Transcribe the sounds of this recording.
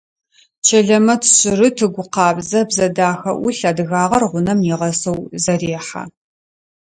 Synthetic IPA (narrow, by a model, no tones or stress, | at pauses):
t͡ʃʰɐɮɐmɐtʰɕʼɪrɨtʰɨɡʷʊqɑːbzɐbzɐdaːxɐ̰ʔʊɬɐdɨɣaːʁɐrʁʷʊnɐmjiʁɐsɐwzɐɾeːħa̰